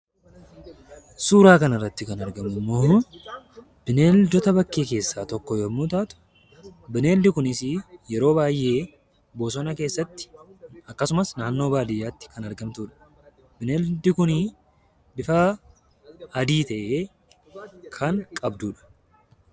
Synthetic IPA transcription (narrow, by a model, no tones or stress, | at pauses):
suːɾaːkɐnɐrːɐt̪ːɪkɐnɐɾɡɐmʊmːo̞ː | b̥ɪne̞ːld̪ɔt̪ɐbɐkːe̞ːke̞ːsːaːt̪ɔkːɔjoːmuːt̪aːt̪ʊ̥ | bɪne̞ːld̪ɪkʊnɪsɪjɛɾo̞ːbaːjʔe̞ː | bo̞ːsɔnɐke̞ːsːɐt̪ːɪ̥ɐkːɐsʊmɐsnaːnːo̞ːbaːd̪ɪjːaːt̪ːɪ̥kɐnɐɾɡɐmt̪uːᶑɐ̥ | bɪneːld̪ɪkʊnɪ | bɪfa | d̪iːt̪ɐʔeː | kʰɐŋkʼɐbd̪uːᶑɐ̥